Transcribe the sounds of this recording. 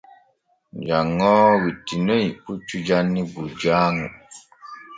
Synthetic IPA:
d͡ʒaŋɔːwitinoik͡put͡ʃud͡ʒanːibud͡ʒaːŋu

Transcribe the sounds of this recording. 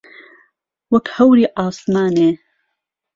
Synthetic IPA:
wɐkhɐwɾiːʔaːsmaːneː

